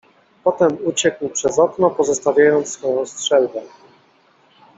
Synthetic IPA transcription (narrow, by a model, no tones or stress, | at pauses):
pɔt̪ɛmut͡ɕɛkwpʂɛzɔknɔpɔzɔst̪avʲjajɔnt̪ssfɔjɔ̃w̃stʂɛlkɛ